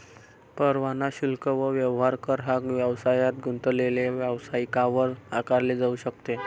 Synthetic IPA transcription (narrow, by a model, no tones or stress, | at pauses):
pəɾʋanaɕilkəʋəʋjəʋɦaɾkəɾɦakʋjəʋsajat̪̚ɡʱunt̪əleleʋjəʋsaikaʋəɾakaɾled͡zauɕəkt̪e